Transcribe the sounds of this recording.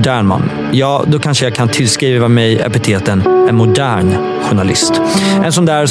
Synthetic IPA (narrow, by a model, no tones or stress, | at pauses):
d̪æːɳma̰nː | jɑːd̪ɔkʰanʂəjaːkʰant̪ʰɪlskɾiːvamɛjɛ̰pɪt̪ʰeːt̪ənɛnmʊd̪æːɳ | ɧʊɳalɪ̰st̪ʔɛnsɔnd̪æːɾ